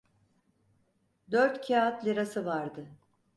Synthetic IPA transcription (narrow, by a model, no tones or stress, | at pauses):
d̪øɾt̪cʰiaːat̪lʲiɾasɯvaɾd̪ɯ